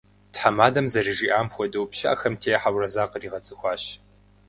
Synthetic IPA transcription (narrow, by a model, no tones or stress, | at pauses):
tħamaːdɐmzɐriʐiːʔaːmxʷɔdɐwpʃɐʔɐxɐmtʰeːjħawrɐzaːqəriːʁɐt͡sʼɨxʷɑːɕ